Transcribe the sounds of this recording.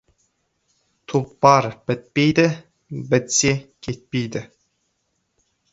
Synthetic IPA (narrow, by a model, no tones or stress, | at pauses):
t̪ʰupːɑɾb̥ɘt̪̚pejd̪ɘ | bɘ̆t̪sekʲʰet̪̚pejd̪ɪ